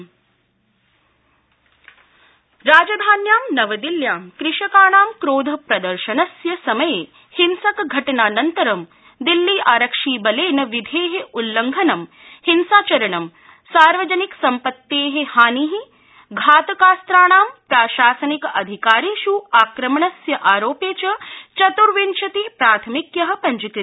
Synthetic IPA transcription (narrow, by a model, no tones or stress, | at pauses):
ɾaːd͡ʒɐd̪ʱaːnjaːmnɐʋɐd̪iljaːmkɾɪʃɐkaːɳaːmkɾoːd̪ʱɐpɾɐd̪ɐɾʃɐnɐsjɐsɐmɐjeː | hinsɐkɡʱɐʈɐnaːnɐnt̪ɐɾɐm | d̪ilːiːʔaːɾɐkʂiːbɐleːnɐʋid̪ʱeːɦeʔulːɐŋɡʱɐnɐm | hinsaːt͡ʃɐɾɐɳɐm | saːɾʋɐd͡ʒɐniksɐmpɐt̪ːeːɦehaːniɦi | ɡʱaːt̪ɐkaːst̪ɾaːɳaːmpɾaːʃaːsɐnikɐd̪ʱikaːɾiʃuaːkɾɐmɐɳɐsjɐʔaːɾoːpeːt͡ʃɐt͡ʃɐt̪uɾʋinʃɐt̪ipɾaːt̪ʰɐmikjɐɦɐ̆pɐɲd͡ʒukɾ